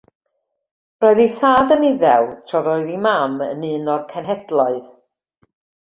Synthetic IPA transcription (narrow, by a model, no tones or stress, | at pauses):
roːɨðiθaːdənɪðɛwtʰrɔɾɔɨðimamə̰nɨːnɔrkʰɛnɦɛdlˠɔɨð̥